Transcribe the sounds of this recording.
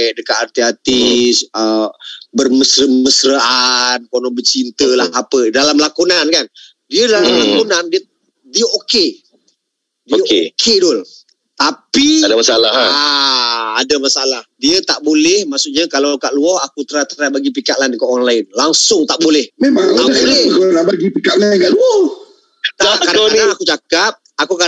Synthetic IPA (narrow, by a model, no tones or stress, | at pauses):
ɛʔdəkat̪art̪iat̪isəbərməsɾəməsɾəʔankonɔbət͡ʃint̪əlahapədalamlakunankan | diədalamlakunandiə | diəoke | dəkekʰedʊl | t̪apiadamasalaɦaaː | damasalahdiət̪aʔbolɛhmaʔsuʔɲakalakaʔluɔhakut̪əɾat̪əabaɡip̬ikaʔlankaʔɔnlaɪnlaŋsʊŋt̪aʔbolɛhmemaŋt̪aʔbolɛɡolaʔbaɡipikaʔlaɪnkaʔluɔ | t̪akadaaanakut͡ʃakap̚akuka